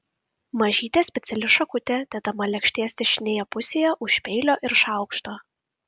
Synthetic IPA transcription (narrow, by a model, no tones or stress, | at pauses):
mɐʒʲiːt̪ʲɛsʲpʲɛt̪sʲɛlʲɪʃɐkʊt̪ʲɛd̪ʲɛt̪ɐmɐlʲɛkʃʲt̪ʲiɛsʲt̪ʲɛʃʲɪnʲeːjɛpʊsʲeːjɛʔʊʃʲpʲɛɪlʲoːʔɪɾʃɑˑʊkʃt̪oː